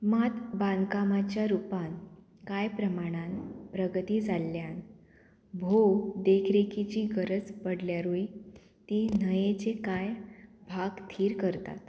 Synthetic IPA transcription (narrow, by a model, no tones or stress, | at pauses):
mat̪bãŋkamat͡ɕjaɾupan | kajpɾəmaɽ̃anpɾəɡət̪iːd͡zalːjan | bʱod̪ekʰɾekit͡ɕiːɡəɾəd͡zpəɽljaɾui | t̪iːnəjet͡sekajbʱaɡt̪ʰiːɾkəɾt̪a̰t̪